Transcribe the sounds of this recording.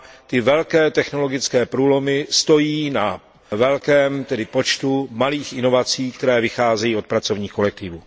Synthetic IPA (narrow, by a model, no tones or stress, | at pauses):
t̪ɪvɛlkɛːt̪ɛxno̞lo̞ɡɪt͡skɛːpɾuːlo̞mɪst̪o̞jiːna | vɛlkɛːmt̪ɛdɪpo̞t͡ʃt̪umaliːxʔɪno̞vat͡siːk̚t̪ɛɾɛːvɪxaːzɛjiːo̞t̪̚pɾat͡so̞vɲiːxko̞lɛk̚t̪ɪvṵː